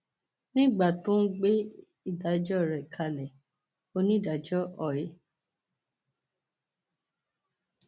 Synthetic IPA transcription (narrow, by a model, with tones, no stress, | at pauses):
nĩ˦˨ɡ͡ba˦˨tũ˦ɡ͡be˦ | i˦˨da˨˦d͡ʒɔ˦˨ɾɛ˨kʰa˧lɛ˨ | o˧nĩ˦˨da˨˦d͡ʒɔ˦ɔ˨je˨˦